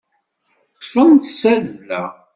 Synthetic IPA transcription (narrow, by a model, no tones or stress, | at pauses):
t̪ˤːfənt̪sæzlæ̰